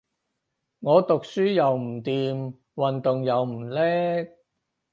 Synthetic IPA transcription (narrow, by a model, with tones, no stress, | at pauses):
ŋɔː˨˧t̪ʊ˨k̚syː˥jɐ˨wm̩˨˩t̪iː˨m | wɐ˨nt̪ʊ˨ŋjɐ˨˧wm̩˨˩lɛː˥k̚